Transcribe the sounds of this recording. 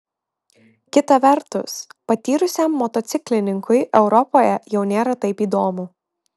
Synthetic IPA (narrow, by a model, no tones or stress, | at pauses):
kʲɪt̪ɐʋʲɛɾt̪ʊ̰spɐt̪ʲiːɾʊsʲɛˑmːɔt̪ɔt̪sʲɪklʲɪnʲɪŋkʊɪʔɛʊɾɔpoːjɛjɛʊnʲeːɾɐt̪ɐɪpiːd̪oːmʊ